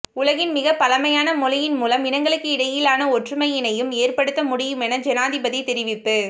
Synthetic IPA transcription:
ʊlɐɣɪnmɪɣɐpːɐlɐmɐjaːnɐmʊlɪjɪnmuːlɐmɪnɐŋɡɐɭɯkːɯɪɽɐjɪlaːnɐɔʈrɯmɐjɪnɐjɯmeːrpɐɽɯt̪ːɐmʊɽɪjɯmɛnɐd͡ʒɛnaːðɪbɐðɪt̪ɛɾɪʋɪpːɯ

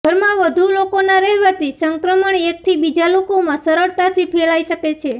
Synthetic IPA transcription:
ɡʱəɾmãʋəd̪ʱulokonaɾɛɦʋət̪isəŋkɾəməɳek̚t̪ʰibid͡ʒalokomãsəɾəɭt̪at̪ʰipʰelaiʃəket͡ʃʰe

